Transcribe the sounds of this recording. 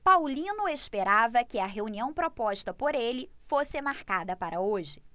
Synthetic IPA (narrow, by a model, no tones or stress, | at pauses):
pawlĩnʊespeɾavɐkɪɐɦeuniɐ̃w̃pɾopɔʃt̪ɐpoɾelɪfosɪmaɾkad̪ɐpaɾɐoʒɪ